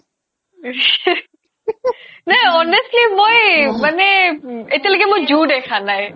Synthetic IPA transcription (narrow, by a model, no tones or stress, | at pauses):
neɔːnəsʈlimoeməneɪt̪ːeləɡemõd͡ʒuːʈekʰaːnae